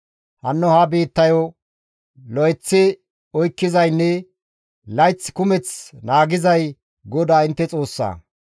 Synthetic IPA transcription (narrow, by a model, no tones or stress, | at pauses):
hɐnːɔhɐbeːt̪ːɐjɔ | lɔjt͡sːɪ | ɔjkːɪzɐjnːɛ | lɐjt͡sːkʊmɛt͡snaːɡɪzɐj | ɡɔd̪aːɪnt̪ːɛt͡sʼo̞ːsːa̰ː